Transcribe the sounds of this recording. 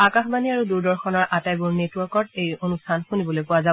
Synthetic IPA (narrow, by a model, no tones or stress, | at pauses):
akaxbaniaɹuduɹdɔɹxɔnɔɹʔatajbuɹnetwɔɹkɔtejonustʰanxunibɔlojpʊwaza